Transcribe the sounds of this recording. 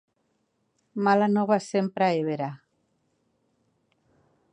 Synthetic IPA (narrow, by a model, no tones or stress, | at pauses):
malanoβasempɾaeβeɾa